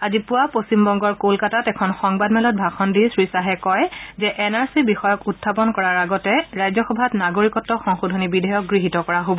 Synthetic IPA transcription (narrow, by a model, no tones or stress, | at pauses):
azipʊwapostimbɔŋɡɔɹkolkatatɛkʰɔnxɔŋbadmɛlɔt̚bʱaxɔndisɹisaɦɛkɔjzɛʔɛnaɹsibixɔjɔkutʰːapɔnkɔɹaɹaɡɔtɛɹajzɔxɔbʱatnaɡoɹikɔtːɔxɔŋxodʱonibidʱɛjɔk̚ɡɹiɦitɔkɔɹaɦobɔ